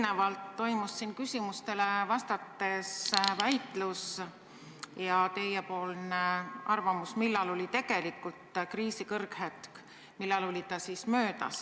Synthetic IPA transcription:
nevɑlt̪ːo̞jmusːinkysʲimust̪e̞le̞vɑst̪ɑt̪ːˑe̞svæjt̪ˑlus | jɑt̪e̞jːepo̞ːlneɑrvɑmusmilːɑlo̞lʲit̪e̞ɡ̥e̞likːult̪kriːsikɤrɡhet̪k | milːɑlo̞lʲit̪ɑsismø̞ːd̪̥ɑ̰s

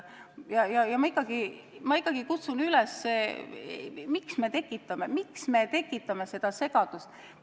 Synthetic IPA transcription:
jɑjɑjɑmɑikːˑɑɡ̥i | mɑikːˑɑɡ̥ikut̪sunylɛsːeː | miksme̞t̪e̞kːˑit̪ːˑɑme̞miksme̞t̪e̞kːˑit̪ːˑɑme̞se̞d̪̥ɑse̞ɡ̥ɑd̪̥ust̪

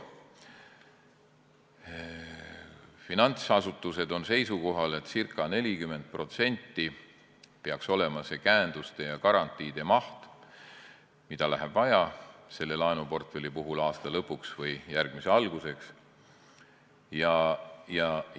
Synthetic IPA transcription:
finɑnʲt̪sɑsut̪ːˑuse̞d̪o̞nse̞jsuko̞ɦɑlet̪ːˑsirkːˑɑne̞lʲikyme̞nt̪̚pro̞t̪se̞nʲt̪ːˑi | pe̞ɑkso̞le̞mɑse̞kæːnd̪̥ust̪e̞jɑkɑɾɑnt̪ˑːiːd̪̥e̞mɑht̪ | mid̪̥ɑlæɦeb̥vɑjɑse̞lːe̞lɑenupo̞rt̪fe̞lipuɦulɑːst̪ɑlɤpːuksvɤjjærɡ̥̚mise̞ɑlɡ̥use̞ks | jɑjɑ

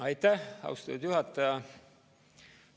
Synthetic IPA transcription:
ɑjt̪ːæhɑ̰wst̪ɑt̪ːud̪̥juɦɑt̪ˑːɑjɑ

